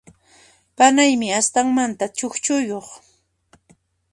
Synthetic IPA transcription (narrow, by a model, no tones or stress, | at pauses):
panajmɪast̪aŋmant̪at͡ʃoxt͡ʃʊjoχ